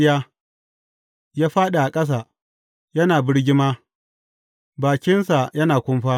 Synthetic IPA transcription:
jaː˦ | jaː˦ɸaː˦ɗa˨ʔa˨kʼɐ˦s̬a˨ | jɐ˦naː˨bɪ˦ɽɡʲɪ˦maː˦ | baː˨kʲɪ˦nsa˨jɐ˦naː˨kʷʊ˦mɸaː˦

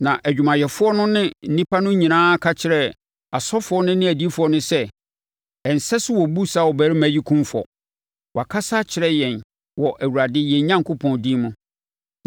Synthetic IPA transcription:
nã˨ʔæ˨d͡ʑᶣu˨mã˨jɛ˨fʊ˦ɔ˦nʊ̃˦nɪ̃˦n̩˦nĩ˦pʰa˦nʊ̃˦ɲĩ˨nãː˦kʰa˦t͡ɕʰɪ˨ɾɛ˨ | a˨sɔ˦fʊ˦ɔ˦nʊ̃˦nɪ̃˦æ˨di˦fʊ˨˦ɔ˦nʊ̃˦sɛ˦ | ɛ˨n̩˨sɛ˦sʊ˦wɔ˨bu˦sa˦˨wɔ˨bæː˨˦ɾi˦mæ˨ji˦kʰũ˦mfɔ̰˨ | wa˨kʰa˦sa˦t͡ɕʰɪ˨ɾɛ˦jɛ̃˨n | wɔ˨ʔæ˨wu˨ɾa˨dɪ˦jɛ˨˦ɲã˦ŋ˨kʰʊ˦pʰɔ̃˨n˨dĩ˦mʊ̃˦

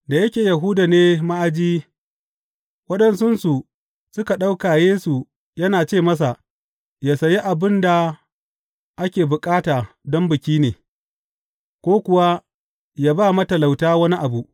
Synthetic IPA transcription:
da˨jɐ˦kʲeː˨jɐ˨ɦuː˦da˨neː˦ma˦ʔa˨d͡ʒiː˦ | wɐ˦ɗɛ˨nsʊ˦nsu˨ | sʊ˦ka˨ɗa˦wkaː˨jeː˦su˨ | jɐ˦naː˨t͡ʃeː˦˨mɐ˦s̬a˨ | ja˨sɐ˨ji˦ʔa˨bɪ˦nda˨ | ʔa˦kʲeː˨bʊ˨kʼaː˦taː˨ | dɔ˦mbɪ˨kʲiː˦neː˨ | kʷoː˦kʷʊ˨wa˦ | jaː˦baː˦˨mɐ˦tɐ˨la˨wtaː˦wɐ˦ni˦ʔa˨bu˨ʔ

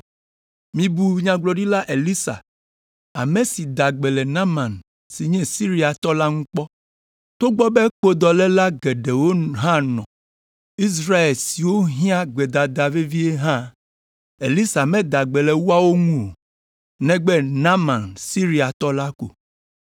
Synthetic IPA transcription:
mĩ˨bu˨ɲã˨ɡ͡blɔ˨ɖi˦la˦ʔe˨li˦sa̰˨ | a̰˨mẽ˨si˨d̪a˨ɡ͡bɛ˨lɛ˨nã˦mã˨n | si˨ɲɛ̃˦si˦ɾi˦a˨t̪ɔ˦la˦ŋũ˦k͡pɔ˦ | t̪o˦ɡ͡bɔ˦be˦k͡po˦d̪ɔ˨lɛ˦la˦ɡɛ˨ɖe˨wo˦ɦã˦nɔ̰̃˨ | i˦s̬ɾa˦e˨lsi˨wo˦ɦĩ˦ã˦ɡ͡bɛ˨d̪a˨d̪a˨vi˦vi˦e˦ɦã˦ | e˨li˦sa˨mɛ̃˦d̪a˨ɡ͡bɛ˨lɛ˨wu˦a˦wo˦ŋũ˦o˨ | nɛ̃˦ɡ͡bɛ˦nã˦mã˨nsi˦ɾi˦a˨t̪ɔ˦la˦ko̰˨

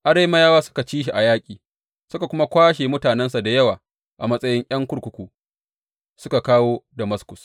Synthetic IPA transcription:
ʔa˦ɽe˦mɐ˦jaː˦waː˦sʊ̥˦ka˨t͡ʃiː˦ʃ̬i˨ʔa˨jaː˦kʲʼiː˨ | sʊ˦ka˨kʷʊ˦ma˦kʷaː˦ʃeː˨mʊ˦taː˨nɛ˦nsa˨da˨jɐ˦waː˨ | ʔa˨mɐ˦sʼɐ˦jɪ˦ŋʔʲj̰ɐ˦ŋkʷʊ˦ɽkʷʊ˨kʷuː˨ | sʊ˦ka˨kaː˦woː˦da˨mɐ˦skʷʊ˨s

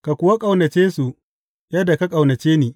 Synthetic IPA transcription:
ka˨kʷʊ˨wa˦kʼa˨wnɐ˨t͡ʃeː˦su˨ʔ | jɐ˦da˨ka˦kʼa˨wnɐ˨t͡ʃeː˦niː˨

